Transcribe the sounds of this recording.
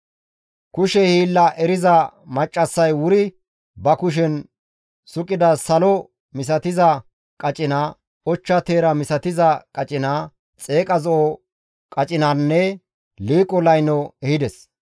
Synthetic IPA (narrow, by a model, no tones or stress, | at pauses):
kʊʃɛhiːlːɐʔɛɾɪzɐmɐt͡ʃʼːɐsːɐjwʊɾɪ | bɐkʊʃ̬ɛn | sʊkʼːɪd̪ɐsɐlɔ | mɪs̬ɐt̪ɪzɐ | kʼɐt͡ʃʼɪnaː | ɔt͡ʃːɐt̪e̞ːɾɐmɪsɐt̪ɪzɐkʼɐt͡ʃʼɪnaː | t͡sʼe̞ːkʼɐzɔʔɔ | kʼɐt͡ʃʼɪnaːnːɛ | liːkʼɔlɐjnɔɛhɪd̪ɛs